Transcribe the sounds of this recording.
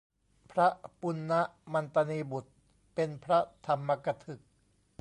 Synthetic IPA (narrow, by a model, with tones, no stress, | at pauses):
pʰɾa˦˥ʔpu˧nːa˦˥ʔma˧nt̪a˧niː˧bu˨˩t̪̚ | pe˧npʰɾa˦˥t̪ʰa˧mːa˧ka˧t̪ʰɯ˨˩k̚